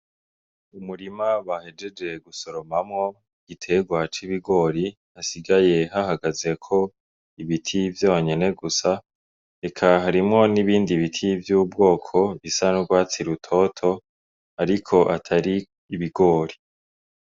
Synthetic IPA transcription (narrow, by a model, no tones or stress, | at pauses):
umuɾimaβahe̞d͡ʒe̞d͡ʒe̞ɡuso̞ɾo̞mamŋo̞ | ɡ̥itʰe̞ɡwat͡ʃiβiɡo̞ːɾi | asiɡaje̞ɦahaɡaze̞kʰo̞ | iβitʰivjoːɲe̞ne̞ɡusa | ɾe̞kʰaɦaɾimŋo̞niβiːndiβitʰivjuːbɡo̞ːkʰo̞isanuɡwaːt͡siɾutʰo̞tʰo̞ | aɾikʰo̞ʔatʰaɾiː | βiɡo̞ːɾi